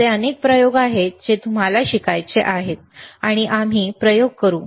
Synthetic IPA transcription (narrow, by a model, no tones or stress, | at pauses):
eənek̚pɾəjoɡaɦed͡ʑet̪um̤alaɕikajt͡seʔaɦet̪̚aɽ̃iʔam̤iːpɾəjoɡ̚kəɾuː